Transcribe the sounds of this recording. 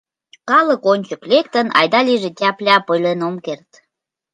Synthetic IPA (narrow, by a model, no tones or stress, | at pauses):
kɑləkonʲt͡ɕəklek̚t̪ənɑ̰jd̪ɑliʒetʲæplʲɑpəjlenomkert̪